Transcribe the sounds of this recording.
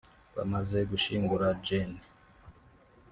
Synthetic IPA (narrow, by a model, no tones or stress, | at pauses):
βa̰maze̞ɡuʃiːŋɡuɾad͡ʒeni